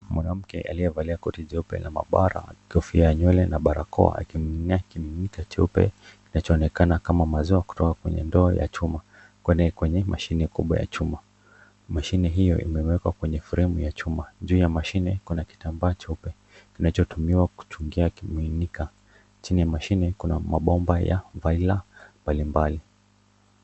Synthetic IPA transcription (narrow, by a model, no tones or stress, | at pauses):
mwanam̩kɛ̰ʔalijɛvaliakɔtiʄɛupɛ̰lama̰ɓaɾa̰kɔfiajaɲwɛlɛnaɓaɾa̰kɔ̰a̰a̰kiiniakiminikat͡ʃɛupɛ̰kinat͡ʃɔːnɛkanakamamaziaku̥tɔkakwɛ̰ɲɛ̰ndɔːja̰t͡ʃuma | kwɛnɛkwɛɲɛmʔaʃinɛkuɓwa̰ja̰t͡ʃuma | maʃinɛɦijɔʔḭmɛwɛkwakwɛɲɛfuɾɛmujat͡ʃumaʄuːjamaʃinɛkunaki̥tambaːt͡ʃɛupɛ | kinat͡ʃɔtumiwaku̥t͡ʃuŋɡiakiminika | t͡ʃinijamaʃinɛkuna̰maɓɔmbaja̰vailambalimbali